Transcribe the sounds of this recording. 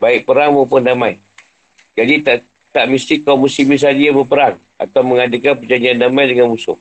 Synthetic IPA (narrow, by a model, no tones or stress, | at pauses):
baɪk̚pəɾaŋmaupʊndamãj | d͡ʒadit̪aʔ | t̪aʔmist̪ikawmusimis̬adiabəpəɾaŋ | a̰t̪awməŋadekanpərd͡ʒaɲd͡ʒiandamajdəŋanmusʊ̰h